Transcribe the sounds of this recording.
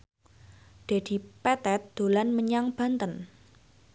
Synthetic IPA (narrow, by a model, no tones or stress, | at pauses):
d̪̥e̤d̪̥i̤pɛt̪ɛt̪̚d̪̥o̤lanməɲaŋb̥a̤nt̪ən